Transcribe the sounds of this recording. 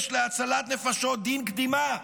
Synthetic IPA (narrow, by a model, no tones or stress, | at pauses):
ʃleat͡salat̪ne̞faʃot̚d̪inkd̪ima